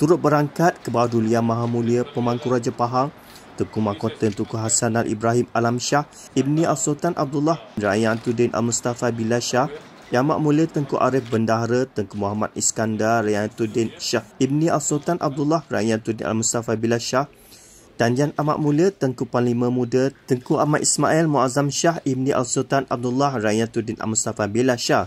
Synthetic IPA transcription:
t̪uɾʊt̪̚bəɾaŋkat̪̚kəbawaduliamãɦamũliəpəmaŋkuɾad͡ʒapaɦaŋ | t̪ukumakot̪ənt̪ukuɦasanalʔḭbɾaɦimalamʃah | ib̚nĩalsot̪anʔa̰b̚dulːahra̰jant̪udɪnʔa̰lmust̪afabilaʃah | ama̰ʔmũliət̪əŋkuʔaɾɪfbəndaɦɾət̪əŋkumuɦama̰t̪̚iskandaɾajant̪udɪnʃahib̚nĩʔalsot̪anʔa̰b̚dulahra̰jant̪udɪnʔa̰lmust̪afabilaʃah | d̥̪and͡ʒanama̰ʔmũlət̪əŋkupalimə̃mũdət̪əŋkuʔamaʔismailmuazamʃahib̚nĩʔa̰lsot̪anab̚d̪ulahrajant̪udɪnʔa̰lmust̪afabilaʃa

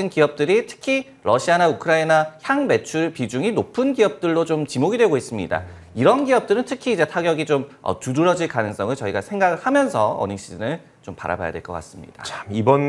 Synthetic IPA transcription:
ɯnkiʌp̚t͈ɯɾitʰɯ̥kʰi | ɾʌɕʰianaukʰɯɾainaçjaŋme̞t͡ɕʰuɭpid͡ʑuŋinopʰɯnɡiʌp̚t͈ɯɭːot͡ɕomt͡ɕimoɡidwe̞ɡois͈ɯmɲḭda̰ | iɾʌnɡiʌp̚t͈ɯɾɯntʰɯkʰiːd͡ʑe̞tʰaɡjʌɡit͡ɕomʌ̰tuɾɯɾʌd͡ʑiɭkanɯŋs͈ʌŋɯɭt͡ɕʌiɡasʰe̞ŋɡaɡɯɭhamjʌnsʰʌʌ̰nɯɕ͈inɯn | t͡ɕompa̰ɾa̰ba̰ja̰dweɭk͈ʌk͈a̰s͈ɯmɲḭd̥a̰t͡ɕamibʌn

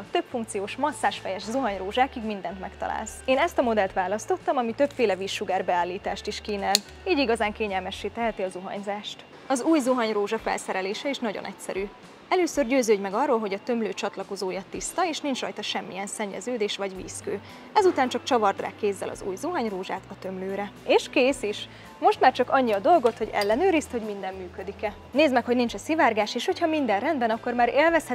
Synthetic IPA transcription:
t̪øpfuŋk̚t̪sijoːʃmɒsːaːʃfɛjɛʃzuɦɒɲroːʒaːkiɡmind̪ɛnt̪mɛkt̪ɒ̰la̰ːlseːnɛst̪ɒmo̞d̪ɛlt̪ʋaːlɒst̪o̞t̪ːɒmɒmit̪ø̞pfeːlɛviːʃːuɡaːrbɛaːlːiːt̪aːʃt̪iʃkiːnɛl | iːɟiɡɒzaːŋkeːɲɛlmɛʃːeːt̪ɛɦɛt̪iɒzuɦɒ̰ɲzaːʃt̪ | ɒzuːjzoɦɒɲroːʒɒfɛ̰lsɛɾɛleːʃɛiʃnɒɟo̰nʔɛcsɛ̰ɾyː | ɛløːsørɟøːzøːɟmɛɡɒrːoːlɦo̞ɟɒt̪ø̞mløːt͡ʃɒt̪lɒko̞zoːjɒt̪ist̪ɒeːʃnint͡ʃrɒ̰jt̪ɒʃɛmːḭɛnsɛɲːɛ̰zøːd̪eːʃʋɒɟʋḭːskøː | ɛzut̪aːnt͡ʃɒkt͡ʃɒvɒrd̪ra̰ːkːeːzːɛ̰lɒ̰zṵːjzuɦɒɲroːʒa̰ːt̪ɒt̪ømløːɾɛeːʃkeːsiʃ | mo̞ʃt̪maːrt͡ʃɒkɒɲːiɒd̪o̞lɡo̞t̪ho̞ɟɛ̰lːɛnøːɾist̪ho̞ɟmind̪ɛmːyːkø̞d̪ikɛ | neːzmɛkhoɟnint͡ʃɛsivaːrɡaːʃeːʃho̞chɒmind̪ɛnrɛnd̪bɛnɒkːo̞rmaːɾeːlvɛshɛ

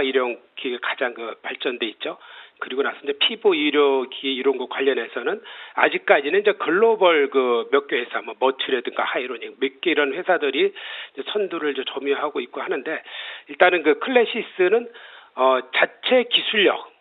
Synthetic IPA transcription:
iɾjʌŋɡiɡekad͡ʑaŋkɯpaɭt͡ɕ͈ʌnde̞it̚t͡ɕ͈okɯɾiɡonasʰʌnd͡ʑepʰiboiɾjʌɡieiɾoŋɡʌt̚kwaʎːʌnɦe̞sʰʌnɯna̰d͡ʑik̚k͈ad͡ʑinɯnid͡ʑe̞kɯɭːobʌɭkɯmjʌk͈johesʰamʌmʌtʰɯɾe̞dɯŋɡa̰haiɾoɲikmik͈eiɾʌnɸwe̞sʰadɯɾiid͡ʑesʰʌnduɾɯɭd͡ʑot͡ɕʌmjoɦaɡoik̚k͈ohanɯnde̞iɭt͈anɯnkɯkʰɯɭːe̞ɕʰis͈ɯnɯnʌt͡ɕat͡ɕʰe̞kisʰuɭːʌ̰

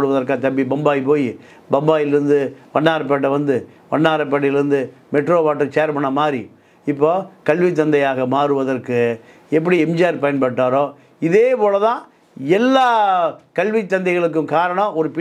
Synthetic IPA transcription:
ɽɯʋɐðɐɾkat̪ɐmbibɐmbaːjipoːji | bɐmbaːjɪlɪɾɯnd̪ɯʋɐɳːaːɾɐpːeːʈ̬ːɐʋɐnd̪ɯ | ʋɐɳːaːɾɐp̬ːeːʈ̬ːɪlɪɾɯnd̪ɯ | mɛʈɾoːʋaːʈːɐɾt͡ʃeːɾpɐɳːɐmaːd̪ɾḭ | ɪpːoːkɐɭʋit̪ːɐnd̪ɐjaːɣɐmaːɾɯʋɐðɐrkɯ | ɛpːɐɽiɛmd͡ʒaːɐɾpɐjɐnpɐʈːaːɾõː | ɪðeːpoːɭɐt̪ãː | ɛlːaːkɐlʋit̪ːɐnd̪ɐɪɣɐɭɯk̬ːɯ̃mkaːɾɐɳɐ̃ɔɾɯpɪ

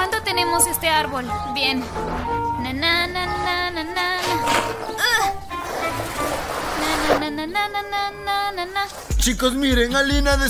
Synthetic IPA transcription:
and̪ot̪enemosest̪eaɾbolbjen | nanananananana | nananãnãnananananana | t͡ʃikos̬miɾeŋalinad̪e

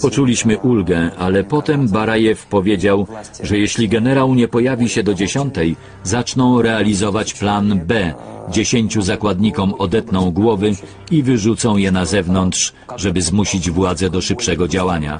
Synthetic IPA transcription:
pɔt͡ʂulʲiɕmɘʔulɡɛalɛpɔt̪ɛmbaɾajɛfpɔvʲjed͡ʑawʐɛjeɕlʲiɡɛnɛɾawɲɛpɔjavʲiɕɛd̪ɔd͡ʑeɕɔnt̪ɛj | zat͡ʂnɔ̃w̃ɾɛalʲizɔvat͡ɕplanbɛd͡ʑeɕeɲt͡ɕuzakwad̪ɲikɔmɔd̪ɛt̪nɔ̃w̃ɡwɔvɘ | ivɘʐut̪sɔ̃w̃jɛnazɛvnɔnt̪ʂ | ʐɛbɘzmuɕid͡ʑvwad̪zɛd̪ɔʂɘpʂɛɡɔd͡ʑawaɲa̰

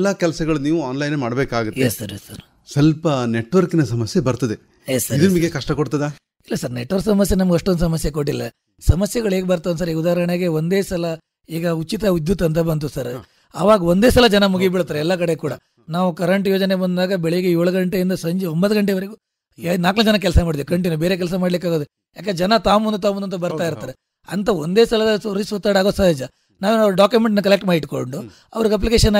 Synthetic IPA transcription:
lːɐkɛlɐsɐɡɐɭuniːʋuaːnlɐjnmaːɽbeːkaːɡut̪esːɐɾesɐɾ | sɐlpɐneʈːʋɐɾkinɐsɐmɐsjebɐɾt̪ɐd̪e | esɐid̪ɐmiɡekɐʂʈɐkoɽt̪ɐd̪aː | ilːɐsɐɾneʈːʋɐɾksɐmɐsjɐnɐmɐɡɐʂʈːond̪us̬ɐmɐsjekoʈːilːɐ | sɐmɐsjɐɡɐɭeːɡebɐɾt̪ɐɐnsɐɾiːud̪aːɐɾɐɳeɡe̞ond̪eːsɐlɐ | iːɡɐut͡ʃit̪ɐud̪jut̪ɐnt̪ɐbɐnt̪̬usɐɾ | ɐʋaːɡɐond̪eːsɐlɐd͡ʒɐnɐmuɡibiɽt̪ːaːɾeɛlːɐk̬ɐɽekuːɽɐ | naːʋukɐɾɐɳʈjoːd͡ʒɐnebɐnd̪aːɡɐbɛɭejiɡejoːɭɐɡɐɳʈeind̪ɐsɐɲd͡ʒombɐt̪ɐɡɐɳʈ̬eʋɐɾeɡu | naːknɐd͡ʒɐnɐkɛlɐsɐmaːɖid̪iʋikɐɳʈ̬injubeːɾeːk̬ɛls̬ɐmaːɽlikːaːɡod̪u | jaːked͡ʒɐnɐt̪aːʋmund̪ut̪̬aːmund̪ɐnt̪ːɐbɐɾt̪aːjiɾt̪ːaːɾe | ɐ̰nt̪ɐond̪eːsɐlɐd̪ɐsɾisʋɐt̪ːaːɽaːɡosɐɦed͡ʒɐ | naːʋenɐɾɖaːkjumeɳʈnɐkɐlek̚ʈmaːjiʈkoɳɖu | ɐ̰ʋɐɾɡɐp̬likeːʂɐnː

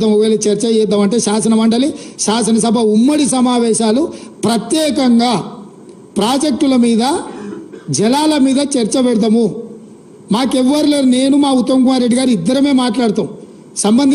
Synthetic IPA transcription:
ɐmoʋeːlit͡ʃɐɾt͡ʃɐjɛd̪ːɐmɐɳʈeːʃaːsɐnɐmɐɳɖɐliʃaːs̬ɐnɐs̬ɐbʱɐumːɐɽisɐmaːʋɛːʃaːlupɾɐt̪jɛːkɐŋɡaː | pɾaːd͡ʒek̚ʈulɐmiːd̪ɐ | d͡ʒɛlaːlɐmiːd̪ɐt͡ʃɐɾt͡ʃɐbɛɽd̪ɐmu | maːkɛʋːɐɾuleneːnumaːut̪ːɐmk̬umaːɾe̞ɖːiɡaːɾuid̪ːɐɾɐme̞ːmaːʈlaːɽt̪aːmũ | sɐmbɐnd̪

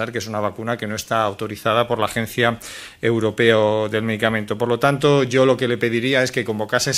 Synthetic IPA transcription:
aɾkee̞sunaβ̞akunake̞no̞e̞st̪aːwt̪o̞ɾiθað̞apo̞ɾlaːxẽ̞n̟θja | ewɾo̞pe̞oðe̞lme̞ð̞ikament̪o̞po̞ɾlo̞t̪ant̪̬o̞ʝo̞lo̞ke̞le̞pe̞ð̞iɾiae̞ske̞ko̞mbo̞kase

